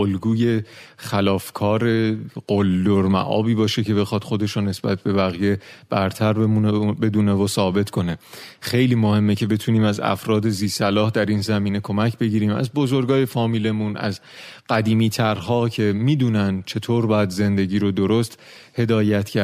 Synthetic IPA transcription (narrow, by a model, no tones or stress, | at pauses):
olɡuːje̞χælɒːfkʰɒːɾe̞ɢ̥old̪oɾmæ̰ʔɒ̰ːbiːbɒːʃe̞cʰe̞be̞xɒd̪̥xo̞d̪e̞ʃone̞sb̥æ̰t̪̚ʰbe̞bæɣije̞b̥æɾt̪ʰæɾbeunbe̞d̪uːnevosɒːbe̞t̪kʰo̞nexe̞jliːmo̞he̞mːecʰe̞be̞t̪ʰuːniːmæzæ̰fɾɒːd̪eziːsælɒːhd̪æɾiːnzæmiːne̞kʰo̞mæcʰbe̞ɟiːɾiːmæ̰zbozo̞ɾɡɒːje̞fɒːmiːle̞mũnæ̰z | ɢ̥æd̪iːmiːt̪ʰæɾɦɒːcʰe̞miːd̪uːnænd̪t͡ʃʰe̞t̪ʰoːɾbɒːjæd̪ze̞nd̪e̞ɟiːɾod̪o̞ɾost̪ | he̞d̪ɒːjæt̪cʰæɾ